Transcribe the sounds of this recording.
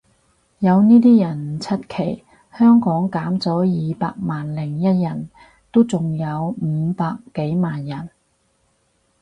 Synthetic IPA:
jɐ˨˧wniː˥t̪iː˥jɐ˨˩n˨˩t͡sʰɐ˥t̚kʰe˨˩j | hœː˥ŋkɔː˨˥ŋkaː˨˥mt͡sɔː˨˥jiː˨˧paː˧k̚maː˨nlɪ˨˩ŋjɐ˥t̚jɐ˨˩n | t̪o˥wt͡sʊ˨ŋjɐ˨˧wm̩˨˧paː˧kːe˨˥jmaː˨njɐ˨˩n

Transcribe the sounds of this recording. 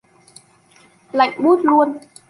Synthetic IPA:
la̰˧˨jŋɓu˦˥t̚lu˧ən

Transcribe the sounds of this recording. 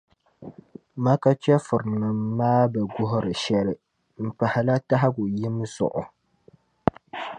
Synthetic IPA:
ma˦ka˦t͡ʃɛ˦fʊ˨ɾɨ˨nɨ˨mː˦aː˦bɛ˨ɡʊ˦ɦʊ˦ɾɨ˨ʃɛ˦lɨ˨ | m̩˨pa˨hɪ˨la˦ta˦ɦa˦ɡʊ˨jɪ˦m˦zʊ̰˨ʔʊ̰˨

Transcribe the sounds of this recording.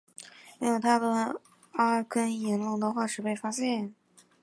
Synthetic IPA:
i˥jo˨˩t̪ʰa˥d̪ə˨ | a˥˩kʰə˥njɛ˧˥nlʊ˥˩ŋd̪ə˧xwa˥˩ʂɻ̩˨˩pe˥˩ɪfa˥ɕjɛ˥˩n

